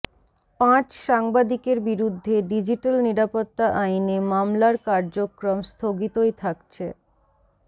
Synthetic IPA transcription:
pãt͡ɕʃaŋbad̪ikeɾbiɾud̪ʱːeɖid͡ʑiʈalniɾapot̪ːaʔajnemamlaɾkaɾd͡ʑokɾomst̪ʰoɡit̪ojt̪ʰakt͡ɕʰḛ

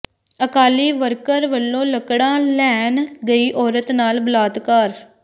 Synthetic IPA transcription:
əkaːliːʋəɾkəɾʋəlːõːləkɽãːlɛːnɡəiːʔɔːɾət̪naːlbəlaːd̪kaːɾ

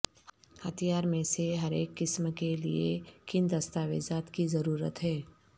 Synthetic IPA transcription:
hɐt̪ʰijaːɾmẽseɦɐɾeːkːɪsmkelḭekɪnd̪ɐst̪aːʋḛːd͡ʒaːt̪kizɐɾuːɾə̰t̪ɦɛː

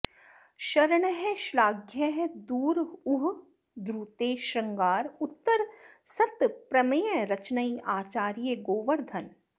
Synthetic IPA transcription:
ʃɐɾɳɦɛʃlaːɡʱjəɦd̪uːɾʊɦ | d̪ɾuːt̪eːʃɐŋɡaːɾʊt̪ːəɾsɐt̪pɾɐmjəɾɐt͡ʃnəiaːt͡ʃaːɾijəɡoːʋəɾd̪ʱɐn

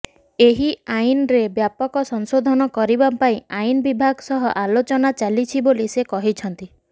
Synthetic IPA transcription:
eɦiajnɾebjapɔkɔsɔŋsod̪ʱɔnɔkɔɾibapaĩajnɔbibʱaɡɔsɔɦɔʔalot͡ʃɔnat͡ʃalit͡ʃʰibolisekɔɦit͡ʃʰɔnt̪i

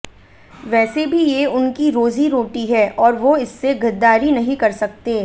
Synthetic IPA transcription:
ʋɛːsebʱijeʊnkiɾoːziɾoːʈiɦɛːʔɔːɾʋoɪsːeɡʱɐd̪ːaːɾinɐɦĩkɐɾsɐk̚t̪eː

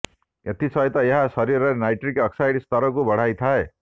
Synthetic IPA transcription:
et̪ʰisʌjt̪ʌjʌɦasʌɾiɾʌnajʈrikʌksajɽist̪ʌɾʌkubʱʌɽ̤ajt̪ʰae

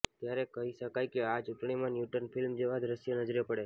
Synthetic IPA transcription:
t̪jaɾekəɦiʃəkajkeat͡ʃuʈɳ̃imãnjuʈənfɪlmd͡ʒeʋad̪ɾəsjənəd͡ʒɾepəɽe

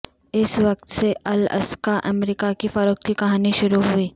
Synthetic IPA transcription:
ɪsʋɐkt̪seʔɐlɐ̰skaʔɐ̰mɾiːkakifɐɾoːk̚kikɐɦaːniʃʊɾuɦuiː

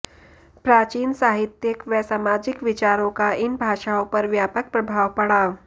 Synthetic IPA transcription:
pɾaːt͡ʃiːnsaːɦɪt̪jəkʋɛsaːmaːd͡ʒɪkʋɪt͡ʃaːɾõkaɪnbʱaːʃaːõpɐɾʋjaːpək̚pɾɐbʱaːʋpɐɽaː

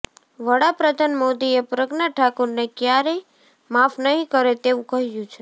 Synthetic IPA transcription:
ʋəɽapɾəd̪ʱanmod̪iepɾəɡnaʈʰakuɾnekjaɾe | mafnəɦĩkəɾet̪eʋũkəɦjũt͡ʃʰe

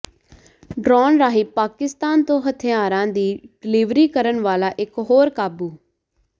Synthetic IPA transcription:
ɖɾɔːnɾaːɦiːpaːkɪst̪aːnt̪õːɦət̪ʰɪjaːɾãːd̪iːɖɪlɪːʋɾiːkəɾənʋaːlaːʔɪkɦoːɾkaːbuː

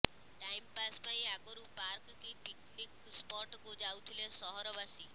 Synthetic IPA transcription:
ʈajmpaspaĩakɔɾupaɾkkipiknik | spɔɾʈkud͡ʒawt̪ʰilesɔɦɔɾɔbasi

